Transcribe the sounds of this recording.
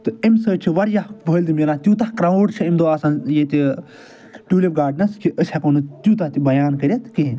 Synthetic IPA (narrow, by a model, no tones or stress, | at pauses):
t̪ɨimsəːt͡ʃʰiʋɐɾjaɦʋʱəːlʲd̪imiɾat̪ʲjuːt̪ahkɾaːuɖt͡ʃʰiimd̪oːaːsaːnjet̪ʲi | ʈuːlep̚ɡaːɖnɐskʰiʔəsʲakonɨt̪juːt̪aht̪ibɐjaːnkɐɾʲet̪ke